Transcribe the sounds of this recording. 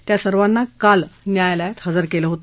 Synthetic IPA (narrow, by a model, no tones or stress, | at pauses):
t̪jasəɾʋanːakalnjajlajat̪həd͡zəɾkeləɦot̪ə